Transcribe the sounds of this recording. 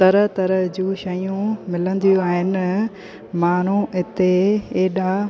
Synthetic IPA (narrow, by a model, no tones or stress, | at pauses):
t̪ɐɾət̪ɐɾəd͡ʑũːʃɐjũmɪlə̃nd̪ijũaːɦɪnɪ̆ | maːn̤uɪt̪eeːɗa